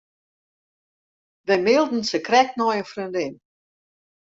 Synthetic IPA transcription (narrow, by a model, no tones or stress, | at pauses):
ʋɛmɪlˠdn̩səkrɛk̚tnɔjəfrøndɪn